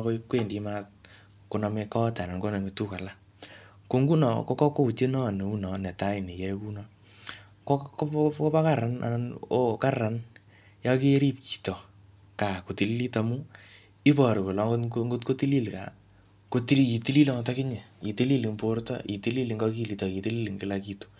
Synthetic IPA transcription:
ko˦kwe˦˨ndi˨˦ma˦t̚ | ko˨nɔ˨me˧kɔ˦ta˨na˨nko˦nɔ˨me˨tu˦ka˨la˦ | ko˨ŋɡu˦nɔ˨ko˦kɔ˦ko˦u˨t͡ʃe˦nɔ˦˨ne˨u˦nɔ˨nɛ˨ta˦i˨ne˨jɛ˦ku˦nɔ˦ | kɔ˦kko˦pa˦ka˦˨ɾa˦na̰˨na˨no˦ka˦ra˨n | jɔ˦ke˦ɾi˦p̚ki̥˨tɔ˨ | ka˨ko˨ti˨li˦li˦ta˧mu˦ | i˦pɔ˨ɾi˨ko˨lɔ˨˦ŋɡo˦ŋɡo˦tko˦ti˦li˦lka̰˨ | ko˦ti˦i˨ti˦li˦lɔ˦ŋtɔ˦kɪ˦ɲe˨i˨ti˦li˦li˨ŋpo˦rtɔ̰˦i˨ti˦li˦li˨ŋɡɔ˦ki˦li˨tɔ˨ki˨ti˦li˦li˨ŋɡɪ˦la˦ki˦to̥˨

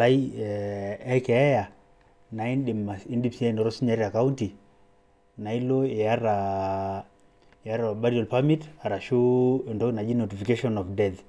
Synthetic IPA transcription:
la˦i | ɛ˦kɛ˨ɛ˦ja˨ | na˨i˦nɗi˨ma˨si˦ndi˦psi˦a˦˨n˨ɾɔ˦si˦ɲa˨˦ɾia˨ka˦u˦nti˨ | na˨i˦lo˦e˨ja˦ɾa˨ | ja˦ɾa˨ba˦ɾiɔ˨lpa˦mi˦ta˨ɾa˨ʃu˦˨ndɔ˦na˨d͡ʒi˦no˨ti˨fi˨ke˦ʃɔ˦nɔ˨fdɛ˦t̪

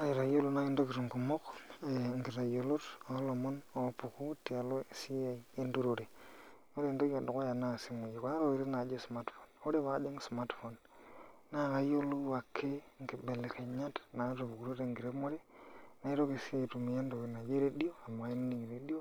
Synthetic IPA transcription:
na˦i˨ɾa˨jo˦lu˦na˦ki˦ndo˦ki˨ɾŋɡu˨mo˦ke˨ŋɡi˨ɾa˨jo˨lo˦to˨˦lo˨mo˦no˨˦pu˨ku˦ti˨a˨lo˦˨si˦e˨˦e˦ndu˦ɾo˨ɾe˨ | o˦ɾe˦˨ndo˦ki˦a˨do˨ko˦ja˨na˦˨si˦mo˨ji˨ko˨na˦ɾo˨ki˨ɾi˦na˨d͡ʒe˦sma˦tfo˨no˦ɾe˦βa˨˦de˦ŋ˦sma˦tfo˨n | na˦˨ka˨jo˦lu˦wa˨kʰːe˦ŋki˨be˨le˨ke˨ɲa˦tna˨˦ɾo˨bu˨ku˨ɾo˦ɾe˨ŋɡi˨ɾe˦mo˦ɾe˦na˨i˦ɾo˦ke˨si˦je˨tu˨mi˨ja˦ndo˨ke˨na˨d͡ʒe˦ɾe˦di˦o˦a˨ma˨a˨i˦n˦ni˨ŋ˨ɾe˦di˦o˦

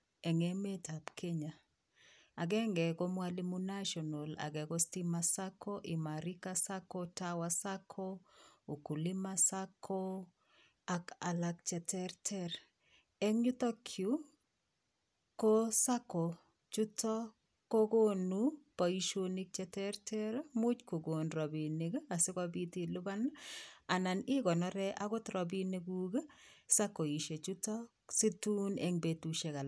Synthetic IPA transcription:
ɛ˨ŋe˨me˦ta˨pkʰe˦ɲa˨ | a˨ɡɛ˦ŋɡɛ˨ko˦mwa˦li˦mu˦na˦ʃɔ˨no˨la̰˨ɡɛ˨ɡo˦sti˦masa˦kʰo˦ʔɪ˨ma˨ɾi˦kasa˦ko˦tawa˦sa˦kʰo˦o˨ku˨li˦ma˦sakʰo˦ | a˨ka˨lak̚t͡ʃɛ˨tʰɛrtʰɛ˦r | ɛ˦ŋɲu˦t̪ɔ˦kʰju˦ | ko˦sa˦ko˨ | t͡ʃu˦tɔ˦ | ko˦ɡo˦nupɔ˨i˨ʃoni˦k̚t͡ʃɛ˨tɛ˦ɾtʰɛ˦ɾmʊ˦t͡ʃko˨ɡo˨nɾɔ˨bi˨ni˨ɡa˨sɪ˦kɔ˦bi˦ti˨lʊ˦ba˦na˨na˨nɪ˦ɡɔ˨nɔ˦ɾɛ˦ʔa˦ɡʊ˦tɾɔ˨bi˦ne˦ɡu˦ɡsa˦ko˨i˨ʃe˨t͡ʃu˦tɔ˦ | si˦tu˦nɛ˦ŋbe˨tu˨ʃe˨ka˨l

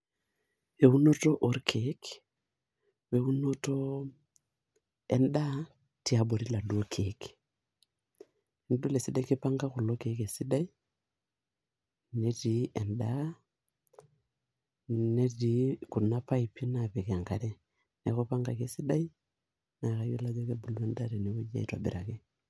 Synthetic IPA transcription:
e˨u˦no˦to˦ʔɔ˨ɾkʰek | we˨u˦no˦to˦ | ɛnda˦ | ti˦a˨bo˨ɾi˦la˨du˦o˦kʰe˨k | n˦do˦le˨si˦da˦i˦ke˦pa˦ŋɡa˦ku˨lo˦ke˨˦ke˨si˦da˦i˦ | nɛ˦ti˨ɛ˨nda˦ | nɛ˦di˨˦ku˨na˦pa˦i˨pi˦na˨pɛ˨ka˨ŋɡa˦ɾɛ˦ | nɛ˨ko˦pa˦ŋɡa˨ke˨si˦da˦i˦ | na˨ka˨je˦la˦d͡ʒɔ˦ke˦bu˨lu˦ɛ˦nda˦ɾɛ˨ne˨wu˦d͡ʒa̰˨i˨twa̰˨bḭ˨ɾa˨ke˦

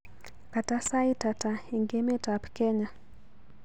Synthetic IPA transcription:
ka˨ta˦sa˦ita˨ta˨i˨ŋɡɛ˦mɛ˦tapkɛ˦ɲa˨

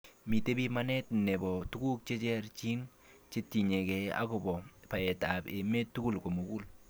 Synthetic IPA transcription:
mi˨te˦bi˦ma˦nɛ˦tnɛ˨bɔ˨tu˦ku˦k̚t͡ʃe˦t͡ʃɛ˦rt͡ʃi˦n | t͡ʃe˦ti˨ɲe˨kɛ˨a̰˦ko˨bɔ˨pa˨ɛ˨ta˨bḛ˨me˦tːu˦ku˦lko˨mo˨ku˦l

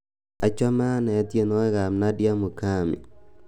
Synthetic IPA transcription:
a˨t͡ʃɔ˦ma˦nɛ˨˦tje˦nɔ˦ɛ˦ɣa˨mna˦dja˦mu˨ka˦˨mḭ˨

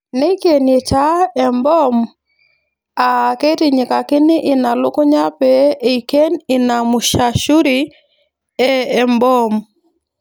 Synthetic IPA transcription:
ne˦ke˨ni˨t͡ʃa˦ɛ˨mbɔ˦m | a˨ke˦ti˨ɲɪ˨ka˨kɪ˦nɪ˦ʔɪ˨na˨lʊ˦kʊ˦ɲa˦pɛː˦˨ke˦nɪ˨na˨mʊ˨ʃa˨ʃu˦ɾi˦ | ɛ˦ɛ˨mbɔ˦m

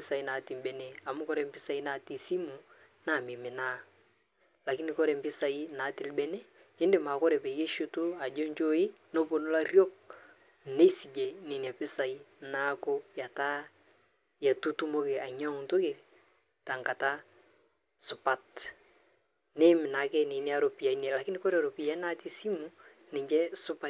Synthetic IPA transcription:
ɪ˦sa˨i˦na˨tɪ˨mbɛ˨ne˨a˨mʊ˦kɔ˦ɾɛ˨mpɪ˦sa˦i˦na˦ti˨si˦mu˨ | na˦˨mɪ˨mɪ˨na˦ | la˨kɪ˦nɪ˨kɔ˦ɾɛ˨mpɪ˦sa˨i˦naː˨˦tɪ˨lbɛ˦ne˦ | ɪ˦ndɪ˨ma˨kɔ˦ɾɛ˨pɛ˨ke˦ʃʊ˦tu˦a˨d͡ʒo˦ɲt͡ʃo˦ɪ˦ | no˦po˨nʊ˦la˦rjo˦k̚ | ne˦si˨d͡ʒe˨nɪ˨nja˨pɪ˦sa˨i˦na˦ko˦ja˨ta˦ | ja˨tu˦tu˦mo˦ke˨a˨ɲa˦ŋ˨ntʊ˦ke˨ | ta˨ŋka˨ta˦ | sʊ˨pa˦t | ne˦mɪ˨na˨˦kɛ˦nɪ˨ni˦a˦ɾo˨pi˨ja˨i˦nɛ˨la˨kɪ˦nɪ˦kɔ˦ɾɛ˦˨ɾo˨pi˨ja˦i˦na˦ti˦si˦mu˨ | nɪ˨ɲd͡ʒɛ˦sʊ˦pa

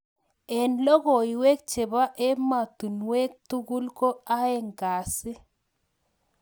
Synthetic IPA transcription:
ɛ˨nlɔ˦ɣɔ˨i˨wɛ˦k̚t͡ʃe˨ba˦ʔɛ˦ma˨tu˨nwɛ˦k̚tu˦ɣu˦lko˦a˦ɛ˦˨ŋɡa˨sɪ˦

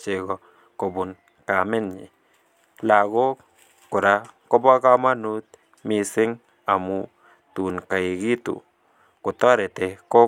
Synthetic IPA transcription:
t͡ʃe˨ɡɔ˨ | kɔ˨bʊ˨n | ka˨mɪ˦nɲɪ̰˨ | la˨ɡɔ˦ | kʊ˨ɾa˨˦kɔ˦bɔ˦ka˦ma˦nu˦t̪̚ | mɪ˨sɪ˦ŋ | a˨mʊ˨ | tu˨nka˨i˨ɡi˦tṵ˨ | kʊ˨tɔ˦ɾɛ˨tɛ˨kɔ˦

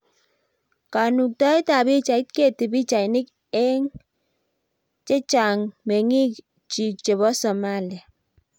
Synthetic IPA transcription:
ka˨nu˨k̚ta˦ɪ˦ta˨bi˦t͡ʃa˨ɪ˦t̚ke˦˨tɪ˨bi˦t͡ʃa˨ɪ˨nɪ˦k | ɛ˦ŋ | t͡ʃe˦t͡ʃa˨ŋme˨ŋi˦k | t͡ʃi˨k̚t͡ʃe˨βɔ˦sɔ˨ma˦li˨a˨

